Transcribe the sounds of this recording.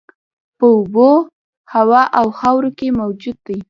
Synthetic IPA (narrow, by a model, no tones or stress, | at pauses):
pəʊbo | hawɑʔawxawɾokemawd͡ʒud̪̚d̪ːij